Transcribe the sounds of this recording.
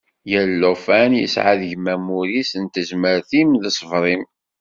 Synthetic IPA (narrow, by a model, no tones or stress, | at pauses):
jəlːofænjə̰sʕa̰ðʝmæmuɾisənt̪əzməɾθimðəsˤəvɾˤim